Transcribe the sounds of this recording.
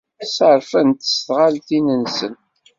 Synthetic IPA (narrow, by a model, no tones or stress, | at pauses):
æsəɾˤfænt̪ə̥sθʁalθinənsən